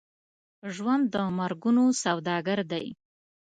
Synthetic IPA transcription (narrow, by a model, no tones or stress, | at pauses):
ʒwand̪ːəmaɾɡunosawd̪ɑɡaɾd̪aj